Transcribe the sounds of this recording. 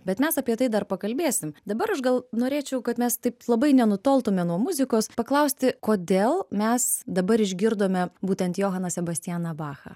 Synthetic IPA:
bʲɛt̪mʲɛsɐpʲiɛt̪ɐɪd̪ɐrpɐkɐlʲbʲeːsʲɪmd̪ɐbɐɾɐʃɡɐlˠnoːɾʲeːt͡ʃʲɛʊkɐt̪mʲɛst̪ɐɪplˠɐbɐɪnʲɛnʊt̪oːlˠt̪ʊmʲɛnuɔmʊzʲɪkoːspɐklˠɐʊsʲt̪ʲɪkoːd̪ʲeːlˠmʲɛsd̪ɐbɐɾɪʒʲɡʲɪɾd̪oːmʲɛbuːt̪ʲɛnt̪joːɦɐnɐsʲɛbɐsʲt̪ʲɪjæːnɐbɑːxɐ̰

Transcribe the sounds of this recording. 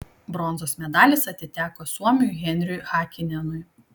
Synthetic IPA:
bɾɔnzoːsmʲɛd̪ɑːlʲeːsɐt̪ʲɪt̪ʲæːkoːsuɔmʲɪjʊɣʲɛnʲɾʲʊjxɑːkʲɪnʲɛnʊj

